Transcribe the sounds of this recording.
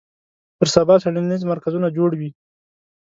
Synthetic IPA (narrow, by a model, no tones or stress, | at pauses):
pəɾsabɑsaɽinnizmaɾkazunad͡ʒoɽwi